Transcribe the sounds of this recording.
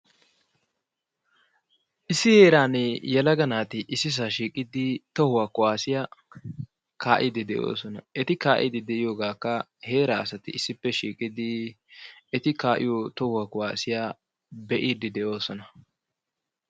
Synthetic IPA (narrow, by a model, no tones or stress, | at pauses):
ʔɪsːɪhe̞ːɾaːnɛjɛlɐɡɐnaːt̪ɪʔɪsːɪs̬aʃiːkʼɪd̪ɪt̪ɔhʊwaːkʊwaːsɪja | kʰaːʔɪd̪ɪd̪ɛʔo̰ːsɔnɐɛt̪ɪkaːʔɪ̰d̪ɪd̪ɛʔɪjo̞ːɡaːkːɐheːɾaɐsɐt̪ɪɪsːɪpːɛʃiːkʼɪd̪ɪ | ɛt̪ɪkaːʔɪ̰jot̪ɔhʊwakʊwaːsɪja | bɛʔid̪ɪd̪ɛʔo̞ːsɔnɐ